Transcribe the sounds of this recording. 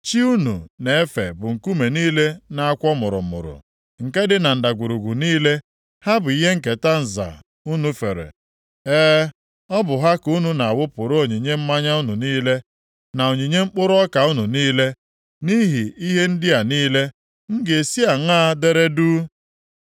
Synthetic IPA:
t͡ʃi˦u˦nṵ˨ne˨e˦fḛ˨bʊ˨ŋ̩˨ku˦me˨niː˦le˦na˨a˦kʷɔ˦mʊ˨ɾʊ̰˨mʊ̰˨ɾʊ̰˨ | ŋ̩˨ke˦dɪ˦na˨n̩˨da˨ɡʷu˨ɾu˨ɡʷu˨niː˦le˦ | ha˦bʊ˨i˦ɦe˦ŋ̩˨ke˨ta˦n̩˨za̰˨ | u˦nu˨fḛ˨ɾḛ˨ | eː˦ | ɔ˦bʊ˨ɦa˦ku˦nu˨na˨wʊ˦pʊ˨ɾo˨ɲi˨ɲe˦m̩˦ma˦ɲa˦u˦nu˨niː˦le˦ | na˨o˨ɲi˨ɲe˦ŋ͡m̩˦k͡pʊ˦ɾʊ˦ɔ˦ka˨u˦nu˨niː˦le˦ | ni˦ɦi˨i˦ɦe˦n̩˦dɪ˦a˨niː˦le˦ | ŋ̩˦ɡe˨e˨si˦a˨ŋaː˦de˦ɾe˦duː˦

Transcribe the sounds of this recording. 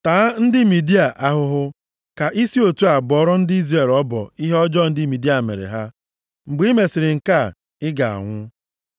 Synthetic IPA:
taː˨˦n̩˦dɪ˦mi˨di˦a˨ʔa˦ɦʊ˦ɦʊ˦ | ka˨ʔi˦si˦o˨tu˦a˨ɡ͡bɔ˨˦ɾʊ˦n̩˦dɪ˦i˦zɾe˨lɔ˦bɔ̰˨i˦ɦe˦ɔ˦d͡ʒɔ˦n̩˦dɪ˦mi˨di˦a˨mḛ˨ɾḛ˨ɦa˦ | ŋ͡m̩˨ɡ͡bi˦me˨sɪ˨ɾɪ˨ŋ̩˨ka˦˨ | ɪ˦ɡa˨a̰˨ŋʷʊ˦

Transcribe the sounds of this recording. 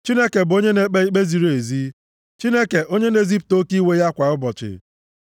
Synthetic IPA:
t͡ʃi˦ne˦ke˨bʊ˨o˦ɲe˦ne˦k͡pe˦i˦k͡pe˦zi˨ɾe˨zi˦ | t͡ʃi˦ne˦ke˨ʔo˦ɲe˦ne˦zi˦pʊ̥˨to˦ki˦we˦ja˦kʷa˨ʊ˦bɔ˨t͡ʃɪ̰˨

